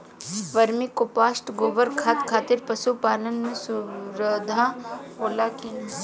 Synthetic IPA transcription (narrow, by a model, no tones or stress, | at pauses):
ʋɐɾmikopaːsʈɡoːʋəɾkʰaːt̪kʰaːt̪ɪɾpɐsupaːlənmẽsʊɾəd̪ʱaoːlaki